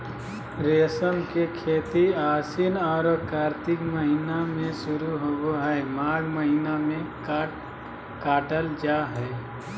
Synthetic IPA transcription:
ɾesənkekʰeːt̪iasinɔːɾkaɾt̪ɪkməɦinamẽsʊɾuɦoɡoɦɛemaːɡməɦinamẽ | kaːʈəld͡ʒaɦɛː

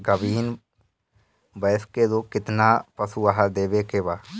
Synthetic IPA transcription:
ɡəʋiːn | bəskeloːɡ̚kɪt̪napəsuaɦad̪eːbekebaː

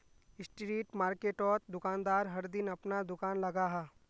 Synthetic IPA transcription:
ɪsʈɾiːʈmaːɾkeːʈɔːt̪̚d̪ʊkaːnd̪aːɾɦɐɾd̪ɪnɐpnad̪ʊkaːnlɐɡaːɦaː

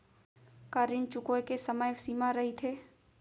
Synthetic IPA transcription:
kəɾɪnt͡ʃʊkojkesəməjsiːmaɾɐɦit̪ʰeː

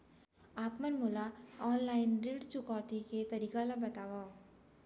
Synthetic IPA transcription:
aːpmɐnmʊlaɔːnlaːɪnɖiɖt͡ʃʊkɔːt̪iket̪ɐɾiːkalabɐt̪aːwa

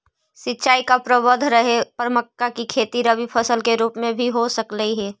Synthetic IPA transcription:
sɪtːt͡ʃaːikapɾəbəd̪ʱɾəɦepəɾməkːakikʰeːt̪iɾəbipʰɐsəlkeɾuːpmẽbʱiɦosəkləiɦɛː

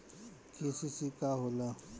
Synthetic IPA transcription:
kesisikaɦola

